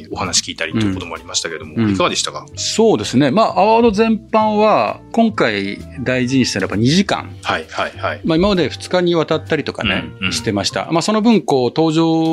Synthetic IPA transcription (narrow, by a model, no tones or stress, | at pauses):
ohanaɕi̥kʲiːt̪aɾit̪ːoikot̪omoaɾʲimaɕi̥t̪aked̪o̞mõikaɡad̪e̞ɕi̥t̪akaso̞ːd̪e̞sɨne̞maːʔːβaod̪ozẽ̞mpãɰ̃βakõ̞ŋkaid̪aiʑĩɲ̃ɕisenɾabaɲ̟iʑikã̰ŋhaihaihaimaimamad̪e̞ɸɯ̟̥t͡sɨ̥kaɲ̟iβ̞at̪at̪ːaɾʲit̪oka̰ne̞̰ɕi̥t̪e̞maɕi̥t̪a̰maso̞no̞bɯ̟̃ŋko̞ːt̪o̞ːʑo̞ː